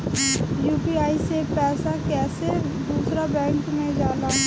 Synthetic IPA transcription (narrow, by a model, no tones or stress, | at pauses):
juːpiaːisepɛːsakɛːse | d̪uːsɾabɛ̃ːŋkmẽd͡ʒaːlaː